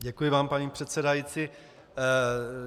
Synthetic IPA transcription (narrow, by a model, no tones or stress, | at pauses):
ɟɛkujɪvaːmpaɲiːpr̝̥ɛt̪sɛdajit͡si